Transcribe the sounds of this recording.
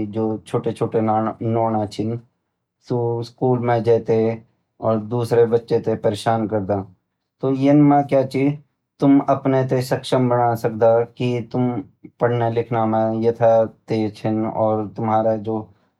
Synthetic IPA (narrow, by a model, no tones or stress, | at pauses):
d͡ʒoːt͡ʃʰoːʈet͡ʃʰoːʈenɔːñat͡ʃʰɪn | suskuːlmẽd͡ʒɛːt̪e | ɔːɾd̪uːsɾebɐtːʃet̪epɐɾeʃaːnkɐɾd̪aː | t̪ojenmãkjaːt͡ʃiːd͡ʒ | t̪ʊmɐpnet̪̬esɐkʃəmbənasɐk̚d̪akit̪ʊm | pɐɽ̤nelɪkʰnamẽjet̪ʰat̪eːt͡ʃʰɪnɔːɾt̪ʊmɦaːɾad͡ʒoː